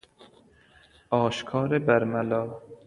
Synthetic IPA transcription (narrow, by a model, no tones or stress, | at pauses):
ɒːʃkʰɒːɾebæɾmælɒː